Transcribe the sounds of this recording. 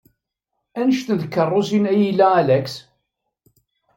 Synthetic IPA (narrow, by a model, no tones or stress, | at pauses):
ænəʃt̪əðkːərˤːosinæjilːæælæks